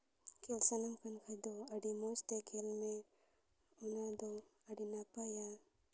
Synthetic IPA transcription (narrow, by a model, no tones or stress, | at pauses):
kelsɐnakʰɐnkʰɐd̪oɐɖimost̪ekʰelme | ʊnad̪oɐɖinapaja